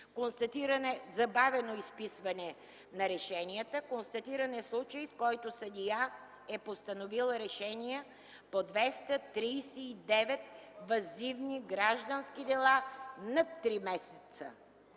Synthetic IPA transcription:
konst̪ɐt̪iɾɐnɛzɐbavɛnoispisvɐnɛ | nɐɾɛʃɛniət̪əkonst̪ɐt̪iɾɐnɛslˠut͡ʃəjfkɔjt̪osɐd̪ija | ɛpost̪ɐnovilˠɾɛʃɛnijɛ | pod̪vɛst̪ət̪ɾiːsɛid̪ɛvɛt̪̚vɐzivniɡɾaʒd̪ənsk̟id̪ɛlˠanɐt̪ːɾimɛsɛt̪sə

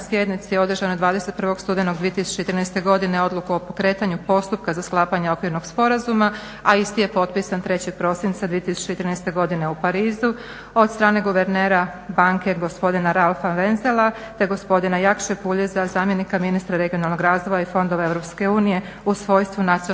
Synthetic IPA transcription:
sje̞d̪nit̪sijeo̞d̪r̩ʒanod̪ʋaːd̪e̞set̪̚pɾr̩ʋo̞ɡ̥st̪uːd̪eno̞ɡd̪ʋije̞t̪isu̥t͡ɕet̪ɾinɛjst̪e̞ɡo̞d̪ine̞o̞d̪lˠukuopo̞kɾeːt̪aɲupo̞st̪up̚kazasklˠaːpaɲeo̞kʋiɾno̞ɡspo̞ɾazuma | aist̪ije̞po̞t̪̚pisant̪ɾe̞t͡ɕeɡ̚pɾo̞sint̪sad̪ʋije̞t̪isu̥t͡ɕeet̪ɾinɛjst̪e̞ɡo̞d̪ine̞upaɾiːzu | o̞d̪st̪ɾaːne̞ɡuʋe̞ɾneːɾa | baŋke̞ɡo̞spo̞d̪inaɾalfaʋenzelˠa | t̪e̞ɡo̞spo̞d̪inajakʃepuʎezazaːmje̞nikaminist̪ɾaɾe̞ɡionalˠno̞ɡɾaːzʋo̞jaifo̞nd̪o̞ʋaevɾopske̞uːnije̞ | usʋo̞jst̪ʋunat̪sio

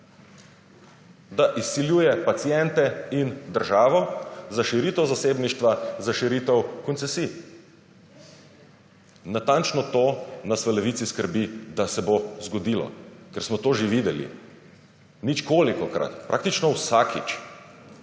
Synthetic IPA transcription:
d̪aʔisːiljujɛpat̪siɛnt̪ɛind̪əɾʒaːʋɔzaʃiɾit̪ɛwzaseːbniʃt̪ʋazaʃiɾit̪ɛwkɔnsɛsiː | nat̪ant͡ʃnɔt̪onasʋalɛʋit̪siskəɾbid̪asɛbozɡɔd̪ilɔ̰kɛɾsmɔt̪oːʒeʋid̪ɛlḭ | nit͡ʃkoːlikɔkɾa̰t̪pɾʔa̰k̚t̪it͡ʃnɔwsakʰit͡ʃ

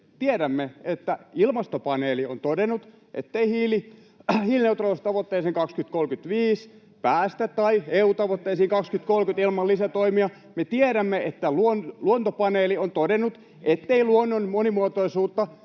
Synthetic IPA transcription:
t̪ieɾæmːeet̪ːæilmɑst̪opɑneːlio̰nt̪odenːut̪ | ʔḛt̪ːeihiːli | hiːlineut̪roˑst̪ɑʋot̪ːeːseŋkɑkskyt̪kolkyt̪ʋiːs | pæːst̪æt̪t̪ɑieuːt̪ɑʋot̪ːeisiːŋkɑkskyt̪kolkyt̪ilmɑlːisæt̪oimiɑ | met̪ieɾæmːeet̪ːæluonluont̪opɑneːliont̪odenːˑut̪ | ʔet̪ːeiluonːonmonimuot̪oisuːt̪ːɑ

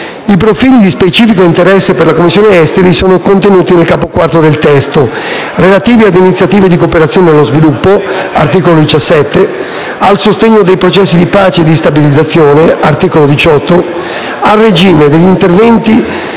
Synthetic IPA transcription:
ip̬ɾofiːlid̪ispet͡ʃiːfikoint̪eɾɛsːeperlakomːisːjoːneɛst̪eɾisoːnokont̪enuːt̪inelkaːpokwart̪od̪elt̪ɛst̪o | relat̪iːviad̪einit̪sjat̪iːved̪ikopeɾat̪sjoːnenelːozvilupːoa̰rt̪iːkolod̪it͡ʃasːɛt̪ːe | alsost̪eɲːod̪ejpɾot͡ʃɛsːid̪ipaːt͡ʃed̪ist̪abilid̪zːat̪sːjoːneart̪iːkolod̪it͡ʃɔt̪ːo | alred͡ʒiːmed̪eʎːint̪ervɛnt̪i

